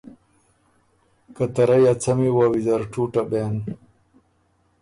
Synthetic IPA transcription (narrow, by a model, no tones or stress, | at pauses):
kɐt̪ɐɾɐjat͡sʰɐmiwawizɐɾʈ͡ʂuːʈɐbeːn